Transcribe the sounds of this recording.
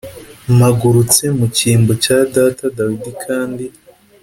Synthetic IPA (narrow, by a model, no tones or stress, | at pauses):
maɡuɾut͡se̞muciːmbocadatadawidikʰaːndi